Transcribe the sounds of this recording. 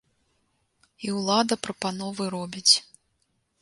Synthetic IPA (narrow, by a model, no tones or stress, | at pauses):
iwlˠad̪ɐpɾɐpanɔvɨɾɔbʲit͡sʲ